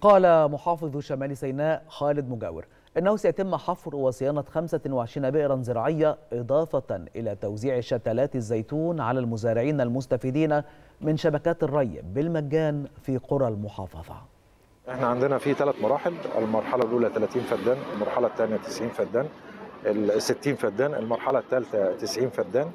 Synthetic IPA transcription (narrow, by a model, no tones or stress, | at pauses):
qɑːlæmʊħɑːfɨðˤʃæmæːlisæjnæːʔxæːlɪd̪̚mʊɡæ̰ːwɪ̰ɾ | ʔɪnːæhusæjæt̪ɪmːħɑfɾwɑsɪjɑːnɑxæmsæwɪʕeʃiːnæbɪʔɾɑnzɨɾɑːʕɪjːæʔɪd̪ˤɑːfɑʔɪ̰læːt̪æwziːʕʃæt̪ælæːt̪ɪzːæjt̪uːnʕalælmʊzæːɾɪʕiːnælmʊst̪æfid̪iːnæmɪnʃæbækæːt̪ɪrˤːɑjːɪ̰bːɪlmæɡæːnfiːqoɾˤɑlmʊħɑ̰ːfɑ̰ðˤɑ̰ | ʔeħnæʕand̪enæfit̪ælæt̪mɑɾˤɑːħelḛlmɑɾˤħɑlɑlʔuːlæt̪ælæːt̪iːnfæd̪ːæːnelmɑɾˤħɑlɑt̪ːæːnjæt̪ɪsʕiːnfæd̪ːæːnʔesːɪt̪ːiːnfæd̪ːæːnelmɑɾˤħɑlæt̪ːælt̪æt̪ɪsʕiːnfæd̪ːæːn